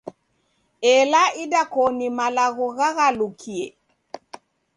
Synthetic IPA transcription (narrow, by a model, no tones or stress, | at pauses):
ɛlaidakɔnimalaɣɔɣaɣalukʰiɛ